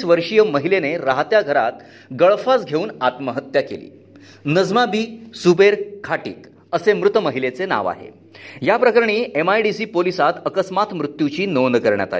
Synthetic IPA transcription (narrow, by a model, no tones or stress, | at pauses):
sʋəɾʂijəməɦileneɾaɦt̪jaɡʱəɾat̪ | ɡəɭfasɡʱeuːnat̪məɦət̪jakḛlḭː | nəd͡zmabiːsubeɾkʰaʈḭːk | əsemɾut̪məɦilet͡sena̰ʋa̰ɦḛ | japɾəkəɾɳ̃iːemajɖisiːpolisat̪əkəsmat̪mɾut̪jut͡ɕiːnond̪əkəɾɳja̰t̪a̰